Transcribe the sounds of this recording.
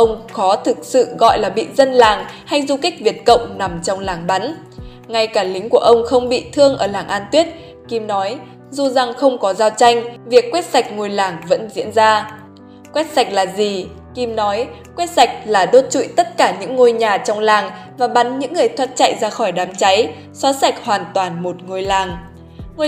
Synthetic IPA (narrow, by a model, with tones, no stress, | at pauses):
ʔə˧wŋ͡mxɔ˨˦t̪ʰɨ˨˩k̚sɨ̰˧˨ɣɔ̰˧˨jlaː˨˩ɓḭ˧˨zə˧nlaː˨˩ŋha˧jzu˧ka˦˥k̚vi˨˩ət̚kə̰˧˨wŋ͡mna˨˩mt͡ɕɔ˧wŋ͡mlaː˨˩ŋɓa˨˦n | ŋa˧jkaː˧˩lï˨˦ŋ̟ku˧˩əʔə˧wŋ͡mxə˧wŋ͡mɓḭ˧˨t̪ʰɨ˧əŋʔəː˧˩laː˨˩ŋʔaː˧nt̪wi˦˥ət̚ | ki˧mnɔ˨˦j | zu˨˩za˨˩ŋxə˧wŋ͡mkɔ˨˦zaː˧wt͡ɕa˧jŋ̟vi˨˩əkːwɛ˦˥t̚sa˨˩jk̟̚ŋo˨˩jlaː˨˩ŋvə̰˧˥nzḭ˧˥ənzaː˧ | kwɛ˦˥t̚sa˨˩jk̚laː˨˩zi˨˩ | ki˧mnɔ˨˦jkwɛ˦˥t̚sa˨˩jk̟̚laː˨˩ɗo˦˥t̚t͡ɕṵ˧˨jt̪ə˦˥t̚kaː˧˩ɲɨ̰˧˥ŋːo˧jɲaː˨˩t͡ɕɔ˧wŋ͡mlaː˨˩ŋvaː˨˩ɓa˨˦nɲɨ̰˧˥ŋːɨ˨˩əjt̪ʰwa˦˧˥t̚t͡ɕa̰˧˨jzaː˧xɔ˧˩jɗaː˨˦mt͡ɕa˨˦j | sɔ˨˦sa˨˩jk̟̚hwaː˨˩nt̪waː˨˩nmo˨˩t̚ŋo˧˩jlaː˨˩ŋ | ŋo˧